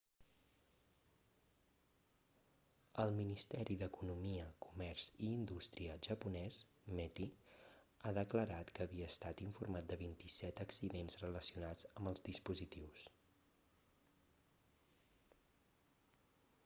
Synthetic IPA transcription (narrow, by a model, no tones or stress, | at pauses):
əlˠminist̪ɛɾiðəkunumiəkumɛrz̥iːnd̪ust̪ɾiəʒəpunɛs | mɛt̪i | aðəkləɾat̪kəːβiəːst̪at̪iɱfurmat̪̚d̪əβint̪isɛt̪əksiðenzrələsiunad͡zəmbəlˠzðispuzit̪iws